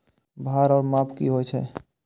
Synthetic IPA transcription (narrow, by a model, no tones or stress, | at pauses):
bʱaːɾɔːɾmaːpʰkiɦojt͡ʃʰɛ̰